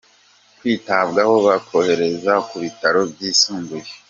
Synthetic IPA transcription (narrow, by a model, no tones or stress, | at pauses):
kwiːtaβɡaho̞βakʰo̞he̞ɾe̞zakuβitaɾo̞bɟisuːmbuje